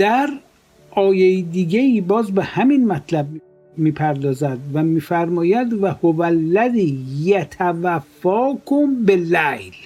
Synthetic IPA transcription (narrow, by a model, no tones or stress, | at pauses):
d̪̥æɾ | ʔɒːjejid̪iːɡeiːbɒːzbehæminmæt̪ʰlæb̚ | miːpʰæɾd̪ɒːzæd̪væmiːfæɾmɒːjæd̪væhovælːæziːjæt̪ʰævæfːɒːkʰombelæjl